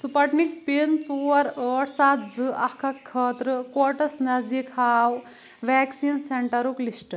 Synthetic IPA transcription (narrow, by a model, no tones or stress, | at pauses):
supɐʈnik̚pint͡soɐɾəːʈsat̪d͡zɨʔɐkʰɐkʰːɐːt̪ɾɨkɔɾʈɐsnɐzikhaːw | ʋɛksinseɳʈɐɾuklisʈɐ